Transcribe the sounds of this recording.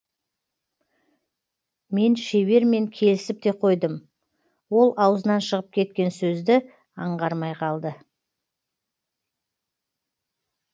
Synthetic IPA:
me̞nʃe̞βe̞ɾme̞ŋkʲʰe̞lɪsɪp̚t̪e̞qʰo̞jd̪əm | wo̞lˠɑwəzənɑnʃəʁəp̚kʲʰe̞t̪̚kʲe̞nsɵzd̪ɪ | ɑɴʁɑɾmɑjqʰɑlˠd̪ə

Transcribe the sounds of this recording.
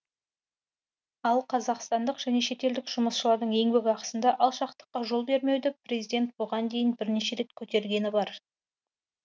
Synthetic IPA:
ɑlˠqʰɑzɑqst̪ɑnd̪əqʒ̥æne̞ʃe̞t̪e̞ld̪ɪkʒ̥ʊməsʃəlˠɑɾd̪əɴe̞ŋbeɡʲɑqə̥sənd̪ɑʔɑlˠʃɑqt̪ə̥qːɑʒo̞lˠbe̞ɾme̞wd̪ɪprʲezijd̪e̞nt̪̚boʁɑnd̪e̞jɪnbɪɾneʃe̞ɾe̞t̪kʲʰɵt̪e̞ɾɡʲe̞nɪbɑɾ

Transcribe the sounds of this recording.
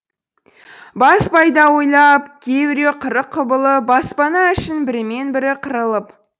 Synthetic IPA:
bɑspɑjd̪ɑwo̞jlˠɑpkʲʰebɪɾe̞qʰəɾəqʰːʊbəlˠəbɑspɑnɑʏʃɪnbɪɾɪme̞nbɪɾɪqʰəɾəlˠəp

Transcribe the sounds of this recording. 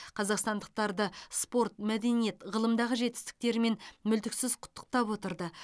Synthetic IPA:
qʰɑzɑqst̪ɑnd̪əq̚t̪ɑɾd̪əspo̞ɾt̪̚mæd̪e̞nije̞t̪ʁəlˠəmd̪ɑʁəʒe̞t̪ːɪ̥st̪ɪ̥k̚t̪e̞ɾme̞nmʏlt̪ɪksɪzqʰʊ̥t̪ːə̥q̚t̪ɑpwo̞t̪əɾd̪ə

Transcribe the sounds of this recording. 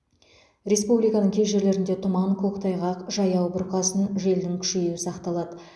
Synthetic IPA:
ɾʲe̞spublijkɑnəɴkʲʰe̞zʒe̞ɾle̞ɾɪnd̪e̞t̪ʰʊmɑɴkʰoqt̪ʰɑjʁɑqʒɑjɑwbʊɾqɑsənʒe̞ld̪ɪŋkʲʰʏ̥ʃejwɪsɑqt̪ɑlˠɑd̪ə

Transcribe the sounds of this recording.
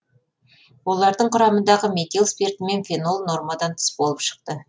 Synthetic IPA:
wo̞lˠɑɾd̪əɴqʰʊɾɑmənd̪ɑʁəmet̪ʲelˠspert̪ɪme̞nfʲeno̞lˠno̞rmɑd̪ɑnt̪ʰɪ̥sbo̞lˠəpʃə̥q̚t̪ə

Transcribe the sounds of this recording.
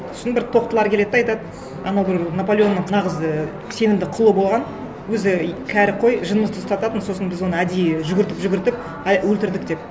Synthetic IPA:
sɪnbɪɾt̪ʰo̞q̚t̪əlˠɑɾkʰʲe̞le̞d̪ɪɑjt̪ɑd̪ə | ɑnɑwbɪɾnopolʲeo̞nːəɴnɑʁəz | se̞nɪmd̪ɪqʰʊlˠəbo̞lˠʁɑn | wɵzɪkʲʰæɾɪqʰo̞jʒənəməzt̪ʰʊst̪ɑt̪ɑt̪ənso̞sənbɪzwo̞nəæd̪ejʒʏɡʲɪɾt̪ɪpʒʏɡʲɪɾt̪ɪp | wɵlt̪ɪɾd̪ɪk̚d̪e̞p̚

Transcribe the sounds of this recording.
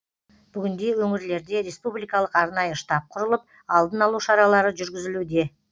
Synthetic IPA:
b̥ʏɡʲɪnd̪e̞wɵŋɪɾle̞ɾd̪e̞ɾe̞spublˠijkɑlˠəqɑɾnɑjəʃt̪ɑp̚qʰʊɾəlˠəp̚ | ɑlˠd̪ənɑlˠuʃɑɾɑlˠɑɾəʒʏɾɡʲɪzɪlud̪e̞

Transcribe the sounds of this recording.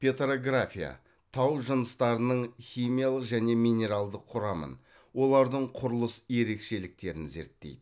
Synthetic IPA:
pʲet̪ɾoɡrafʲija̰ | t̪ʰɑwʒənəst̪ɑɾənəɴχʲijmʲijalˠəqʒæne̞mijne̞ɾalˠd̪əqʰːʊɾɑmə̰n | wo̞lˠɑɾd̪əɴqʰʊɾəlˠəsje̞ɾe̞kʃe̞lɪk̚t̪e̞ɾɪnze̞̰ɾt̪ːe̞̰jd̪ɪ

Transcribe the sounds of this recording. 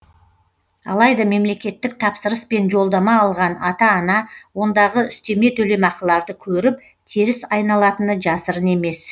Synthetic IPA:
ɑ̰lˠɑjd̪ɑme̞mle̞kʲe̞t̪ːɪk̚t̪ʰɑpsəɾəspe̞nʒo̞lˠd̪ɑmɑːlˠʁɑnɑt̪ɑːnɑwo̞nd̪ɑʁəʏst̪e̞me̞t̪ʰɵle̞mɑqəlˠɑɾd̪əkʲʰɵɾɪp̚ | t̪ʲʰeɾɪsɑjnɑlˠɑt̪ənəʒɑsəɾəne̞me̞s

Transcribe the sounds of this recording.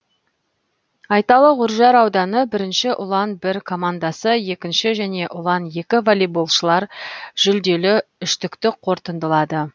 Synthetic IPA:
ɑjt̪ɑlˠəʁʊɾʒɑɾɑwd̪ɑnəbɪɾɪnʃɪʔʊlˠɑnbɪɾkʰo̞mand̪ɑsəje̞kʲɪnʃɪʒæne̞ʔʊlˠɑnje̞kʲɪvolʲibulˠʃəlˠɑɾʒ̥ʏld̪e̞lɪʏʃt̪ɪkt̪ɪqʰo̞ɾt̪ənd̪əlˠɑd̪ə

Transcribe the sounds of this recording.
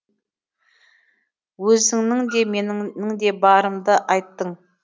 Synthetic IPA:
wɵzɪŋnɪŋd̪e̞me̞nɪnɪŋd̪e̞bɑɾəmd̪əʔɑjt̪ːəɴ

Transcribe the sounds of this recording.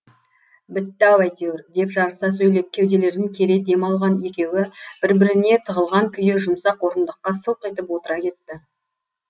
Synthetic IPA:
bɪt̪ːæwæjt̪euɾd̪e̞pʒɑɾəsɑs̬ɵjle̞p̚kʲʰe̞wd̪e̞le̞ɾd̪ɪŋkʲʰe̞ɾe̞d̪e̞mɑlˠʁɑnje̞kʲe̞wɪb̥ɪɾbɪɾɪne̞t̪ʰəʁəlˠʁɑŋkʲʰʏjeʒʊmsɑqwo̞ɾənd̪əqːɑsəlˠqəjt̪əpwo̞t̪əɾɑkʲʰe̞t̪ːɪ

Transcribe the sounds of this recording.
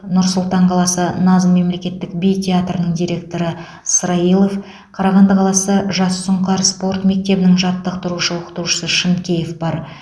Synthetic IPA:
nʊɾsʊlˠt̪ɑɴqʰɑlˠɑsənɑzənme̞mle̞kʲe̞t̪ːɪkbejt̪ʲʰeat̪rənəɴd̪ijɾe̞k̚t̪o̞ɾə | əsɾɑijlˠo̞f | qʰɑɾɑʁɑnd̪əqʰɑlˠɑsəʒɑsːʊɴqɑɾspo̞rt̪me̞k̚t̪e̞bɪnɪŋʒɑt̪ːəqt̪ʊɾuʃəwoqə̥t̪əɾuʃə̥səʃənkʲe̞jefb̥ɑɾ

